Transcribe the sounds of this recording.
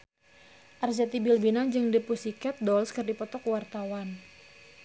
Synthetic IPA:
ʔard͡ʒat̪ibilbinad͡ʒɨŋdipusikɛt̪̚dɔlskɨrdipɔt̪ɔkwart̪awan

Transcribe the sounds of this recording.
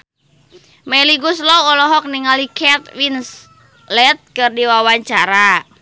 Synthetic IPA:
mɛliɡuslɔɔlɔɦɔk̚niŋalikʰɛt̪̚wins | lɛt̪̚kɨrdiwawaɲt͡ʃaɾa

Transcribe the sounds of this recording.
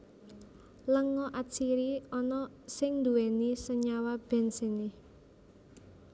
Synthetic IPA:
ləŋɔʔasiɾiɔnɔ | sɪŋnd̪uɛnisəɲawab̥ɛ̤nsenɪ

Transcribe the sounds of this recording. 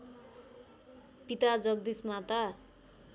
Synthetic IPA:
pit̪ad͡zʌk̚d̪ismat̪ʌ

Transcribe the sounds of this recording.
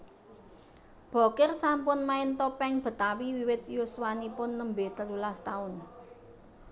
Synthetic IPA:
b̥o̤kɪrsampʊnmaɪnt̪ɔpɛŋb̥ə̤t̪awiwiwɪt̪juswanipʊnːəmbet̪əlulast̪aʊn

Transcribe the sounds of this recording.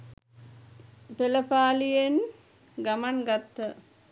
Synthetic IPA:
peləpaːlijen | ɡamanɡat̪ːə

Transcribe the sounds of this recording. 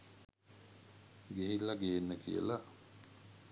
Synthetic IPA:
ɡeɦilːaɡeːnːəkḭjə̰la

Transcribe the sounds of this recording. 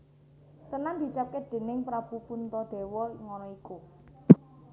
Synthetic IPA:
t̪ənand̪̥i̤t͡ʃap̚ked̪̥e̤nɪŋpɾab̥upunt̪ɔɖ̪̥e̤wɔŋɔnɔiku

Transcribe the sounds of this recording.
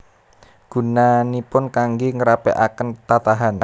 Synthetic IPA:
ɡ̥ṳnanipʊnkaŋɡeŋəɾapḛʔakənt̪at̪aɦan

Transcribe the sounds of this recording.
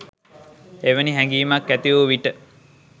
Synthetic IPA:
eʋəniɦæŋɡiːmakːæt̪iuʋiʈə

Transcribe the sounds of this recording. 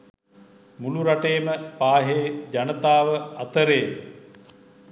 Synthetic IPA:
muluɾaʈeːməpaːɦeːd͡ʒanət̪aːʋəat̪əɾej

